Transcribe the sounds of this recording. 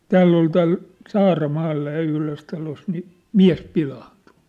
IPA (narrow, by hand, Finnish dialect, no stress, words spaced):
tæːlː ol tæːl sɑːrɑmɑːlːɑ jɑ yhløs tɑlos ni miæ̝s pilɑːntu̥